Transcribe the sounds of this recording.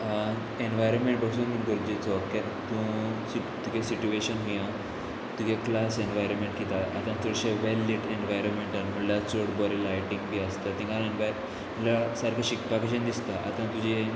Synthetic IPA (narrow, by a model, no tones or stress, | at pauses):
enʋajɾənmẽɳʈbəsunmiʈɡəɾd͡ʑit͡sɔkɛ | t̪ũsi | t̪ukesit͡ɕueɕənɦujã | t̪ukeklasenʋajɾənmẽɳʈkit̪aat̪ãt͡səɽɕẽʋɛlːiʈeɳʋajɾənmeɳʈanm̤əɽljat͡soɽbɔɾilajʈĩŋɡbiəst̪at̪ĩŋɡaeɳʋaj | lasaɾkaɕikpakeɕ̬ə̃nd̪ist̪aʔa̰t̪ãt̪ud͡ʑe